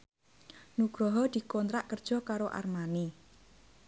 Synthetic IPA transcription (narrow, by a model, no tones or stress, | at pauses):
nuɡ̥ɾɔɦɔd̪̥i̤kɔnt̪ɾaʔkərd̥ʒ̥ɔ̤kaɾoʔa̰rmani